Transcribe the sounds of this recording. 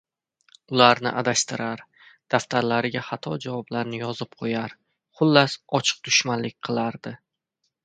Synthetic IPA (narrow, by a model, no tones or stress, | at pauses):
ʊlaɾnɪ̰ʔad̪aʃt̪ɪɾaɾ | d̪̥aft̪ʰaɾlaɾɪɡʲaχɑt̪ʰɒd͡ʒavɒblaɾnɪjɒzɪp̚qʰojaɾ | χʊlːasɒt͡ʃʰɨ̥q̚d̪ʊʃmanlɪk̚ʲqʰɨlˠaɾd̪ɪ